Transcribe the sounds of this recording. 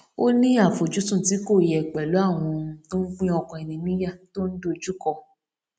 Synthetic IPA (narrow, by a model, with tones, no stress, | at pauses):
o˦nĩ˦a˦˨fo˨d͡ʒu˨˦tũ˦˨ti˨˦ko˦˨jɛ˨k͡pɛ˨lu˨˦a˦˨w̃ɔ̃˧˦to˦n̩˦k͡pĩ˦ɔ˧kɔ̃˧ɛ˨nĩ˧nĩ˦ja˦˨to˦n̩˦do˦˨d͡ʒu˦kɔ˧